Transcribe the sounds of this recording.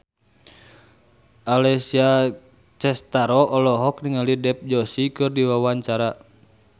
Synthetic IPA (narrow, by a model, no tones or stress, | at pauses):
ʔalɛsia | t͡ʃɛst̪aɾɔʔɔlɔɦɔkniŋalidɛp̚d͡ʒɔsikɨrdiwawaɲt͡ʃaɾa